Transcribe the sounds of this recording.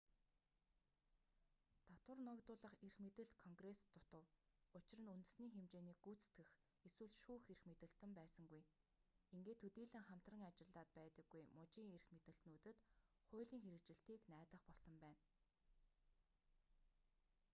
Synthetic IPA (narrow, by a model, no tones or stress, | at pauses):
t̪at̪wə̆rnɔkt̪ʊːɮə̆χerxmet̪ɘ̆ɬt̪kʰɔŋɡrest̪ʰːʊt̪ə̆wʊt͡ɕɪ̆rə̆nunt̪ɘ̆sniːxemt͡ɕeːniːkːut͡st̪ɡɘ̆x | eswɘ̆ɮʃuːxerxmet̪ɘ̆ɬt̪ɘ̆mpæːsə̆ŋɡuj | iŋɡeːt̪ʰːɵt̪iːɮɘ̆ŋχam̥t̪rə̆ŋat͡ɕɪ̆ɮaːt̪̚pæːt̪ə̆ɡːujmʊt͡ɕiːŋerxmet̪ɘ̆ɬt̪nuːt̪ɘ̆t̪ | χʊːɮiːŋxeɾɘ̆k̚t͡ɕɪ̆ɬt̪iːknæːt̪ə̆χpɔɮsɞ̆mpæːn